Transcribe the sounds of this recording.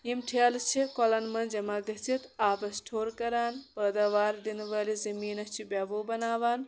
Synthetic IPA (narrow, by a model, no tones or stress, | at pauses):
imʈʰelst͡ʃʰikolɐnmɐnd͡ʒɐmaɡɐt͡ʃit̪aːpɐsʈʰoːɾkɐɾaːnpəd̪aʋaːɾd̪inʋɐlizɐmiːnɐst͡ʃʰibʲabobɐnaːʋaːn